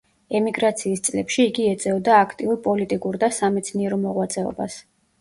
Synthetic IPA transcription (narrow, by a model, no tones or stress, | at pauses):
ɛmiɡɾat̪sʰiːst̪sʼlɛpʃiːɡiɛt̪sʼɛvd̪aːkʰt̪ʼiuɾpʼɔlit̪ʼikʼuɾd̪asamɛt̪sʰniɛɾɔmɔʁwat̪sʼɛɔ̰ba̰s